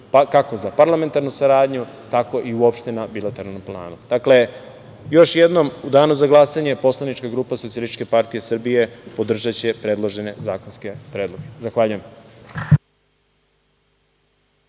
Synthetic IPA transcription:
pkako̞zapaɾlˠame̞nt̪aɾnusaɾaːd̪ɲu | t̪ako̞ʔiuopʃt̪e̞nabilat̪eɾalnomplˠa̰ːnud̪̥akle̞ | jo̞ʃjed̪no̞mud̪aːnuzaɡlˠasaɲe̞po̞slˠanit͡ʃkaɡɾuːpasot̪ialˠist̪i̥t͡ʃkepaɾt̪ijesr̩bije̞pod̪r̩ʒat͡ɕe̞pɾe̞d̪lˠoʒene̞zaːko̞nske̞pɾe̞ːd̪loɡezaxʋaːʎujem

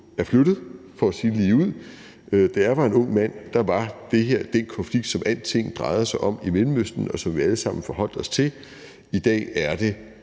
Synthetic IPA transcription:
æɐflod̥ð̞̩ˠfɒæsiːnliːuð̰ˠ | d̥ææɐʋɑ̈e̝nɔ̽ŋ̰mæn̰d̥ɑ̈ʋɑ̈d̥e̝ɦe̝ɐ̰d̥enkʰɒ̽nfliɡ̥d̥sɒ̽mʔæl̰d̥t͡sʰe̝ŋ̰n̩d̥ʁɑ̈ɪð̞̩ˠsɑ̈ɪʔɒ̽m̰imelm̩øsd̥n̩ɒ̽sɒ̽mʋiæləsɑ̈m̰n̩fɒɦɒ̽l̰d̥ɒ̽st͡sʰe̝l | id̥ɛ̰ːæɐd̥e̝

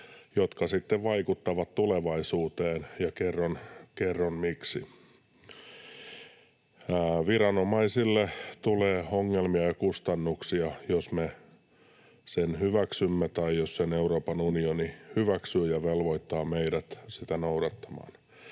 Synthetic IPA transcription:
jot̪kɑsit̪ːeʋʋɑikut̪ːɑʋɑt̪t̪uleʋɑisuːt̪eːnjɑkerːonkerːonmiksi | ʋiɾɑnomɑisilːet̪uleːoŋːelmiɑjɑkust̪ɑnːuksiɑjosme | senhyʋæksymːet̪ɑijosseneuɾoːpɑnunionihyʋæksyːjɑʋelʋoit̪ːɑːmeiɾæt̪sit̪ænouɾɑt̪ːɑ̥mɑ̰ːn

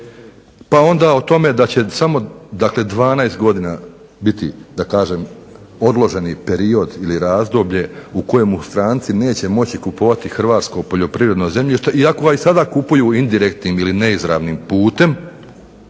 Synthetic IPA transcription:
pao̞nd̪aːot̪o̞me̞d̪at͡ɕe̞samo̞d̪akle̞d̪ʋaːnaest̪ɡo̞d̪ina | bit̪id̪akaːʒeːm | o̞d̪lˠo̞ʒe̞nipe̞ɾio̞d̪iliɾaːzd̪o̞bʎe̞uko̞jemust̪ɾaːnt̪sine̞ːt͡ɕe̞mo̞t͡ɕikupoʋat̪ixr̩ʋaːt̪sko̞po̞ʎo̞pɾiːʋɾed̪no̞ze̞mʎiʃt̪e̞iako̞ɡaisad̪aːkupujuːind̪iɾe̞kt̪niːmiline̞izɾa̰ːʋniːmpuːt̪e̞m

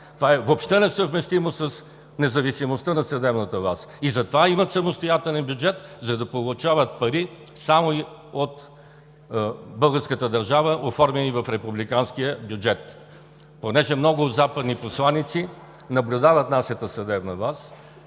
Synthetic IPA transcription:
t̪vaɛvopʃt̪ɛnɛsəvmɛst̪imosəs | nɛzɐvisimost̪ənɐsɐd̪ɛbnət̪əvasizɐt̪ovaimət̪sɐmost̪ojat̪ɛlʲɛnbjud͡ʒɛt̪zɐd̪ɐpolˠʊt͡ʃavət̪̚pɐɾi | samoi | ot̪ | bɤlˠɡəɾskət̪əd̪ɐɾʒavəʔofɔɾmɛnivɐfɾɛpublikanskijəbjʊd͡ʒɛt̪ | ponɛʒɛmnɔɡʊzapəd̪niposlˠanit̪si | nɐblʲʊd̪avət̪naʃət̪əsɐd̪ɛbnəvas

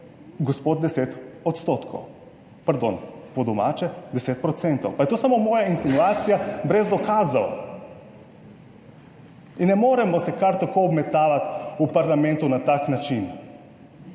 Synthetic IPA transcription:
ɡɔspod̪̚d̪ɛset̪ɔt̪st̪ot̪kʰo̰w | paɾd̪o̰npɔd̪ɔmaːt͡ʃɛd̪ɛset̪̚pɾɔt̪sɛnt̪ɔwpajɛt̪oːsamomɔːjainsinuaːt̪sijabɾɛzd̪ɔkaːzaw̰ | inːɛmoːɾɛmɔsɛkaɾt̪akoɔbmɛt̪aːʋat̪upaɾlamɛnt̪unat̪aknat͡ʃin

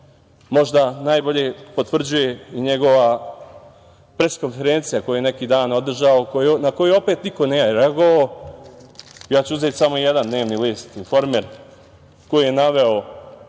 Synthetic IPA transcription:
mo̞ʒd̪anaːjbo̞ʎe̞po̞t̪ʋr̩d͡ʑuje̞iɲe̞ɡo̞ʋa | pɾe̞sko̞nfe̞ɾeːnt̪sijakojujene̞kiːd̪aːno̞d̪r̩ʒaokonako̞juo̞peːt̪niko̞nejajɾeaɡo̞ʋao | jaːt͡ɕuuzeːt̪samoijed̪and̪ne̞ːʋnilist̪info̞ɾmeɾ | ko̞jijenaʋe̞o

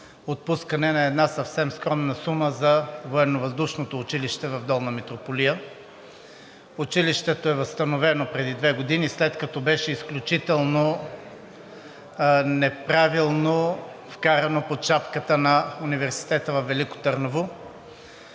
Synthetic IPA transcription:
ot̪̚puskɐnɛnɐɛd̪nasɐfsɛmskɾɔmnɐsuməzɐvoɛnovɐzd̪uʃnot̪oːt͡ʃiliʃt̪ɛvɐvd̪ɔlˠnɐmɛt̪ɾopolijə | ut͡ʃiliʃt̪ɛt̪oɛvɐst̪ɐnovɛnopɾɛd̪id̪vɛɡod̪inislɛt̪kɐt̪ɔbɛʃɛisklʲut͡ʃit̪ɛlˠno | nɛpɾavilˠno | fkaɾɐnopoʃapkət̪ənɐunivɛɾsi̥t̪ɛt̪əvɐfvːɛliko̥t̪əɾnovo

